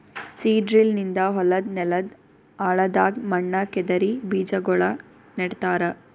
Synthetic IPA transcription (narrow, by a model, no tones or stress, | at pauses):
siːɖɾilnind̪ɐɦɔlɐd̪nɛlɐd̪ | aːɭɐd̪aːɡmɐɳːɐkɛd̪ɐɾibiːd͡ʒɐɡɔɭɐ | neɽt̪aːɾɐ